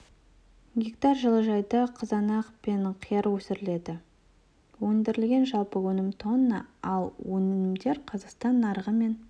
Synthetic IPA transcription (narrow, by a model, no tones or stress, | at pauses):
ɡʲekt̪ɑrʒəlˠəʒɑjd̪ɑqʰəzɑnɑqpe̞nqʰijɑɾwɵsɪɾɪle̞d̪ɪ | wɵnd̪ɪɾɪlɡʲe̞nʒɑlˠpəwɵnɪmt̪ʰo̞nːə̰ɑlˠwɵnɪnɪmd̪e̞ɾqʰɑzɑqst̪ɑnːɑɾʁəme̞n